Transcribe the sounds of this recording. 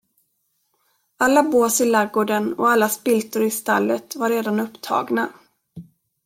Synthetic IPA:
alːaboːsɪlaɡoːɖənɔ̰alːaspɪlt̪əɾɪst̪a̰lːət̪vaɾːeːd̪anɵpːt̪ʰɑ̰ːɡna

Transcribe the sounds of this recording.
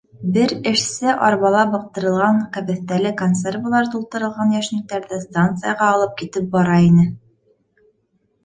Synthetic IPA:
bɘɾɘ̆ʃsɘʔɒɾβɑlˠɑbɒq̚t̪ɤ̆ɾɤ̆lˠʁɑɴqæβɘ̆θt̪ælɘkonservalˠɑɾt̪ulˠt̪ɤ̆ɾɤ̆lˠʁɑnjæʃnik̚t̪æɾðɘst̪ant̪sɨjaʁɑːlˠɤp̚kit̪ɘp̚bɒɾɑinɘ

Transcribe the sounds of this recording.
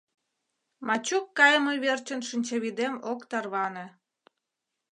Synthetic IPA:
mɑt͡ɕukːɑjmojβert͡ɕə̆nʃinʲt͡ɕɑβid̪emokt̪ɑrβɑne

